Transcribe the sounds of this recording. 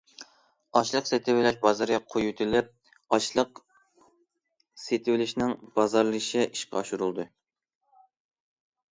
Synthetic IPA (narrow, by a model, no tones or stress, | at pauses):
ɑʃlˠəqset̪ʰɪwɪlɛʃbɑzɑɾjɑqʰojut̪ʰɪlɪp̚ | ɑʃlˠəq | set̪ʰɪwɪlɪʃnɪŋbɑzɑɾlˠɨʃɪiʃqɑʃuɾulˠd̪ɨ